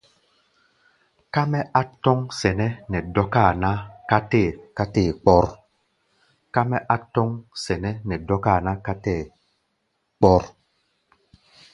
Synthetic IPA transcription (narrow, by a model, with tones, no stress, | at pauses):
ka˦mɛ˦ʔa˦tɔ˦ŋsɛ˨nɛ˦nɛ˨dɔ˦ka˦˨na˦ka˦te˦˨ka˦tɛː˦˨k͡pɔ˦ɾ | ka˦mɛ˦ʔa˦tɔ˦ŋsɛ˨nɛ˦nɛ˨dɔ˦ka˦˨na˦ka˦tɛ˦˨ | k͡pɔ˦ɾ